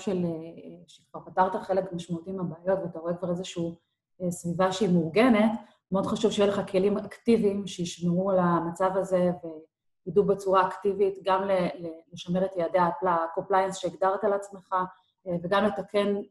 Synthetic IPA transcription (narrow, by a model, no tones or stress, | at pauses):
ʃeleʃekv̥aʁpataʁtaχe̞lekmaʃmaut̪iimabaːjo̞tveat̪aʁoe̞kvaʁezeʃuu | esvivaʃeimuʁɡe̞ne̞t | meod̪χaʃuvʃejeʃleχakʰe̞limaktivimʃejiʃmeʁualamat͡savaze̞ve̞ | jidubet͡suʁaːktivitɡamleleleʃameʁetjeadeaplako̞mplajansʃeiɡd̪aʁtalat͡smeχa | veɡamletakʰe̞n